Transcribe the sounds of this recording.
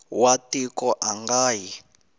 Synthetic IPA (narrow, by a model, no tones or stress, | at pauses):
watikɔʔaŋɡaːji